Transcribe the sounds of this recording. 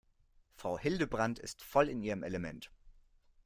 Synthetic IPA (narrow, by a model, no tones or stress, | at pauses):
fʁ̥aʊhɪldəbʁantɪ̰stfɔlɪnʔiːʁəmʔɛləmɛnt